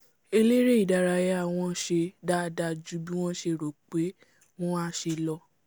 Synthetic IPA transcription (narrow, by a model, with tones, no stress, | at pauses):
e˧le˦ɾe˦i˨da˨˧ɾa˧jɛ˦a˦˨w̃ɔ̃˧ʃe˧da˦da˧d͡ʒu˨˦bi˦w̃ɔ̃˦ʃe˧ɾo˨k͡pe˨˦ | w̃ɔ̃˦a˦ʃe˧lɔ˧